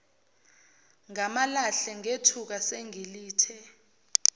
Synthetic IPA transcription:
ŋamalaɬɛŋetʰuk̬aseŋiliːtʰɛ

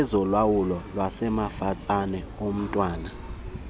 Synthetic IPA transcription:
ɛzɔlwawulɔlwasɛmafat͡sʼanɛ | om̩tʼwaːna

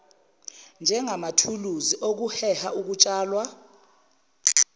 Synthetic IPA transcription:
nd͡ʒʱɛŋamatʰuluziʔok̬uhɛhauk̬ut͡ʃʼaːlwa

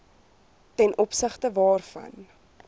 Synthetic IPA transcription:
tɛnʔɔpsəχtəvɑːrfɐ̰n

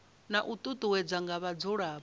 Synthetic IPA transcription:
naʔut̪ʼut̪ʼuwɛd͡zaŋɡaβad͡zɔɺaːβ

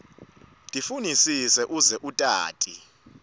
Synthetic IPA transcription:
tʼifunisisɛʔuzɛʔutʼa̰ːtʼi

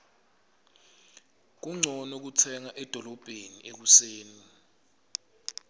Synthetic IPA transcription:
k̬uŋ͡ǀʱɔnok̬utʰɛŋaʔɛd̥ʱɔlɔb̥ʱeniʔek̬useːni

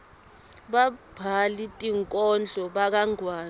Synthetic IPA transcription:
ɓab̥ʱalitʼiŋkʼɔnd͡ɮʱɔɓak̬aŋwaː

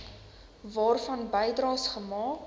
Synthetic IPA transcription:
vɑːrfɐnbəjdrɑːsχəmɑː

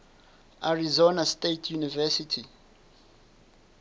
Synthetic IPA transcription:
aɹizonastetʰjunivɛsitʰi

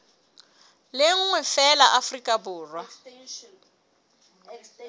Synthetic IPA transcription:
lɪŋ̩ŋwɛfɛlaʔafrikʼabʊːrwa

